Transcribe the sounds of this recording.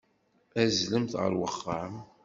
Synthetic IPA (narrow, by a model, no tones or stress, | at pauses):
æzləmθʁə̰ɾwəχːəʕəm